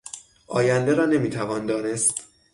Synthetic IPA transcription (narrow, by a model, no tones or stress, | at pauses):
ʔɒːjænd̪e̞ɾɒːne̞miːt̪ʰævɒːnd̪ɒːne̞st̪